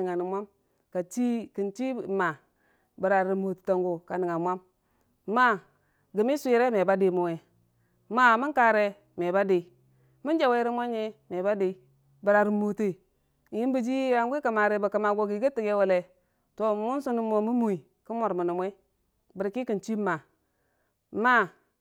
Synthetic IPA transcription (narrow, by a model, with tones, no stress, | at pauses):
ŋa˨ni˨mʷa˦m | ka˨t͡ʃi˦ki˨nt͡ʃi˦˨ma˨ | bi˨ɾa˨ɾi˨mo˨tta˨ŋɡo˨ka˨ni˨ŋa˨mʷa˦m˦ | ma˦ | ɡi˨mi˦sʷu˦˨ɾe˦me˨ba˦de˨mu˨we˨˦ | ma˦mi˦ŋka˨ɾe˦ | me˨ba˦de˨i˨˦ | mi˦nd͡ʒe˦we˦ɾi˦mʷ˦a˦ɲ˦e˦me˨ba˦de˨i˦ | bə˨ɾa˨ɾi˨mo˨te˨ | i˦nbi˦d͡ʒi˦a˨ŋɡi˦ka˨ma˨ɾe˨ba˨ka˨ma˨ɡo˨ɡi˨ɡi˦ti˨ɡe˦we˨le˨ | to˨mu˦n˦su˦nu˦mo˨mu˦mu˨i˨ | ki˦mo˨ɾmu˨nu˨mʷ˦e˦ | bi˨ɾki˦ki˨nt͡ʃi˦ma˨ | ma˦